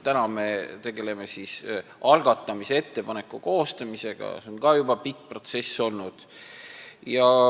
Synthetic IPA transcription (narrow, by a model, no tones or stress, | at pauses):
t̪ænɑmet̪e̞ɡ̥e̞le̞me̞sisɑlɡ̥ɑt̪ːˑɑmisee̞t̪ːe̞pɑne̞kːˑuko̞ːst̪ɑmise̞ɡ̥ɑ̰seonkɑːjubɑpik̚ːpro̞t̪se̞sːo̞lnud̪̥ | jɑ